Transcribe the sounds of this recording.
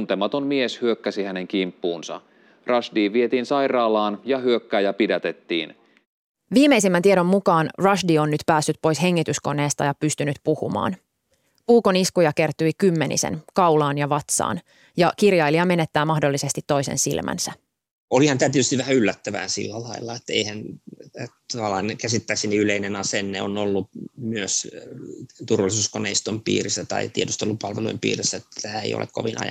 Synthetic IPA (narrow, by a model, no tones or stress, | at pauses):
nt̪emɑt̪onmieshyøkːæsihæneŋkimpːuːnsɑ̰ | rɑʃdiːʋiet̪iːnsɑjrɑːlɑːnjɑhyøkːæːjɑpidɑt̪et̪ːḭːn | ʋiːme̞isimːænt̪ieɾo̞mːukɑːnrɑʃdionːyt̪pæːsːyt̪̚po̞jsɦe̞ŋːit̪ysko̞ne̞ːst̪ɑjɑpyst̪ynyt̪puhṵmɑ̰ːn | puːkoniskujɑke̞rt̪uikymːe̞nḭsḛnkɑwlɑːnjɑʋɑt̪sɑ̰ːn | jɑkirjɑiliɑme̞ne̞t̪ːæːmɑhdo̞lːise̞st̪it̪ːo̞isḛnsḭlmʔæ̰nsæ | olihɑnt̪æːt̪iet̪yst̪ʋʋæhæylːæt̪ːæʋæ̰ːnsḭlːælɑilːɑet̪ːḛihænet̪ɑʋɑlːɑːnkæsit̪ːæksiniyleinenɑsenːeonolːumyøs | t̪urʋɑlisuːskonḛist̪ompḭːrisːæt̪ɑ̰it̪iet̪yst̪olːupɑlʋelṵimpḭːrisːæet̪ːæ̥t̪æːḛio̰lḛkko̰ʋinɑ̰jɑ̰